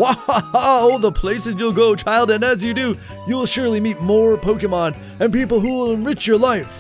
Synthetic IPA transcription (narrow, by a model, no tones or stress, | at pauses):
waaoʊlˠðəpʰl̥eɪsɨzjulˠɡoʊt͡ʃʰaɪlˠdɨ̃nɨzjɨdu | juwɪlˠʃʊɹlˠimit̚mɔɹpʰoʊkɨmɑ̃n | ɨ̃npipl̩ˠɦuwɪlˠə̃nɹɪt͡ʃjə˞laɪf